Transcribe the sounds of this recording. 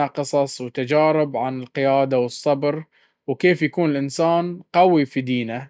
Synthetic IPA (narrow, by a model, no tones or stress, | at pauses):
aqɨsˤɑsˤwt̪ad͡ʒaːɾɪbʕanɪlqɪjaːd̪awɨsˤːɑbɾ | wkeːfjakuːnɪlʔɪnsaːnqawifid̪iːna